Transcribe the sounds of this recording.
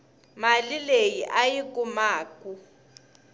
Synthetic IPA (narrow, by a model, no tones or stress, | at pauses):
malilejiʔajik̬ʼumaːkʼu